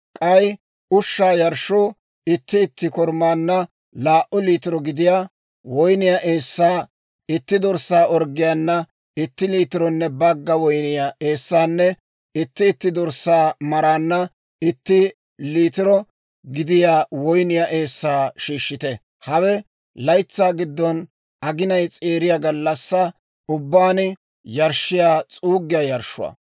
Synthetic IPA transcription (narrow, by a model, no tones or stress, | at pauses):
kʼɐj | ʊʃːaːjɐɾʃːoː | ɪt̪ːɪːt̪ːɪkɔɾmaːnːɐ | laːʔʊliːt̪ɪɾɔɡɪd̪ɪjaː | wɔjnɪjaʔeːsːaː | ɪt̪ːɪd̪ɔɾsːaːʔɔɾɡɪjaːnːɐ | ɪt̪ːɪliːt̪ɪɾɔnːɛbɐɡːɐwɔjnɪjaʔe̞ːsːaːnːɛ | ɪt̪ːɪːt̪ːɪd̪ɔɾsːaːmɐɾaːnːɐ | ʔɪt̪ːɪ | liːt̪ɪɾɔ | ɡɪd̪ɪjaːwɔjnɪjaʔe̞ːsːaːʃiːʃːɪt̪ɛ | hɐwɛ | lɐjt͡sːaːɡɪd̪ːɔn | ʔɐɡɪnɐjt͡sʼeːɾɪjaɡɐlːɐsːɐ | ʊbːaːnɪ | jɐɾʃɪjaːt͡sʼuːɡːɪjaːjɐɾʃʊ̰ɐ̰ː